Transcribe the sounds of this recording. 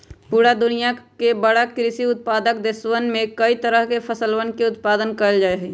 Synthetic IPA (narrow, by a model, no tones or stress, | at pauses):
puːɾad̪ʊnijakebɐɽakɾɪsiʊt̪̚paːd̪ək̚d̪ɪswənmẽkɐit̪əɾəɦkepʰɐsəlwənkeʊt̪paːd̪ənkəld͡ʒaːeɦɛː